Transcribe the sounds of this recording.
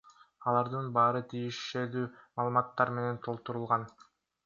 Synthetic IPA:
ɑlˠɑɾd̪ɯnbɑːɾɯt̪ʰijiʃed̪yːmɑːlˠɯmɑt̪ːɑɾme̞ne̞nt̪ʰo̞lˠt̪uɾulˠʁɑn

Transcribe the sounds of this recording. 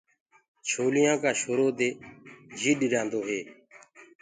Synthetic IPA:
t͡ʃʰoːlɪjãːkaːʃoːɾoːd̪eːd͡ʒʱiːɗɾjãːnd̪oːɦeː

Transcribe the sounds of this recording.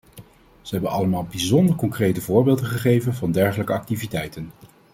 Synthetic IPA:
z̥əɦɛbənɑləmaːlˠbizɔndərɹkɔŋkrejtəvʊːɹbeːlˠdəχəχejvənvɑndɛɹχələkəɑk̚tivitɛjtən

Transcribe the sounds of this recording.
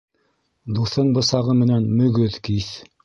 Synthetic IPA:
d̪uθɤɴbɤ̆sɑʁɤmɘ̆nænmɵ̆ɡɵðkiθ

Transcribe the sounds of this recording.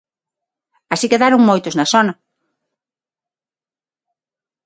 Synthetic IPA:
asikeðaɾʊŋmojt̪oznɐsɔnɐ

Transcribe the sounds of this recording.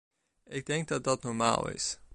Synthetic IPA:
ɪɡ̚dɛŋɡ̚dɑt̚dɑtnɔɹma̰ːlˠɪ̰s

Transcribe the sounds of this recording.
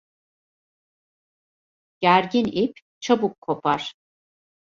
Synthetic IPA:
ɟ̥æɾɟinip | t͡ʃʰabukʰːo̞pʰaɾ̥

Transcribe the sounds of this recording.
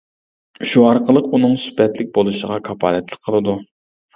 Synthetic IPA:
ʃuɑɾqəlˠəqunɨŋsy̥pʰɛt̪lɪk̚ʲbolˠuʃəʁɑkʰɑpʰɑ̰ːlɛt̪lˠək̚ʲqʰːəlˠɨd̪u

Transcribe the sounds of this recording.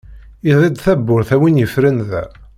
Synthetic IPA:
iðˤid̪θæbːʊɾθæwinjəfɾənðæ̰

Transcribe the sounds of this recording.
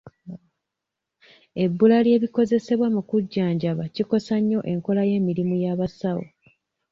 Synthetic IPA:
e̞bːulalje̞ːβiko̞ze̞se̞βwamukuɟːaːɲɟaβaciko̞saɲːo̞ʔe̞ŋko̞laje̞ːmiɾimujaːβasawo̰

